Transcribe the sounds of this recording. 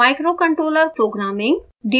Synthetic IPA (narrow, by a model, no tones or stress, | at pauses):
aːɪkɾoːkɐ̃ɳʈɾoːləɾpɾoːɡɾaːmɪ̃ŋɡ | ɖi